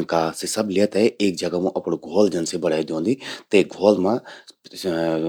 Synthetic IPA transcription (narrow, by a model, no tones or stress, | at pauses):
kasesɐblɪət̪ɛeːk̚d͡ʒəɡamũʔɐpɽɡʱoːld͡ʒɐnsebəɽaːid̪õːnd̪iːt̪eːɡʱoːlmã